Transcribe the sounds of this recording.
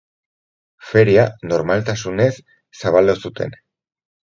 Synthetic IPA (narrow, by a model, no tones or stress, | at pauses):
fe̞ɾiano̞ɾmalt̪asune̞sː | aβald̪osut̪e̞̰n